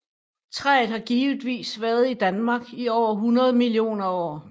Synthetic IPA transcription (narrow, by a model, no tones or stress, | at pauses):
t͡sʰʁɛ̰ð̩ˠhɑ̈ɡ̥iːʋd̥ʋḭːsʋæɐð̞̩ˠid̥ænmɑ̈ːɡ̥iɒʊ̰ɐɦunɐð̞ˠmilio̝̰ːnɐɒ̰ː